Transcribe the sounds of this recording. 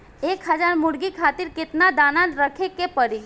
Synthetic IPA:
ekɦəd͡ʒaɾmʊɽɡikʰat̪iɾkɪt̪nad̪aːnãnɾəkʰekepəɾi

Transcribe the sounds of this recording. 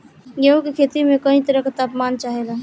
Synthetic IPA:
jeɦũkekʰeːt̪imẽkəĩt̪əɾəkt̪aːpmaːnt͡ʃaːɦela

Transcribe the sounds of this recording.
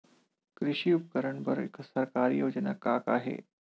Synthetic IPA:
kɾɪʂiːupəkəɾəɳbəɾḛkəsəɾkaɾijoːd͡ʑənakaka̰ːɦḛ

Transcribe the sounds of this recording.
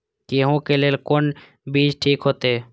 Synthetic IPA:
keːɦõkeleːlkon | biːd͡ʒʈʰiːkɦoːt̪ee

